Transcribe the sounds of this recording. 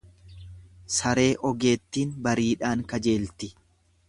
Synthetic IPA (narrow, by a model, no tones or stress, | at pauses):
sɐɾe̞ːʔɔɡe̞ːt̪ːiːnbɐɾiːᶑaːŋkɐd͡ʒe̞ːlt̪ɪ